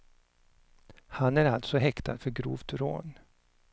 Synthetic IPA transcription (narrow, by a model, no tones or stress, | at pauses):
hanæɾalt̪sɔɦɛkt̪ʰa̰d̪fœɾɡɾuːvt̪ɾo̰ːn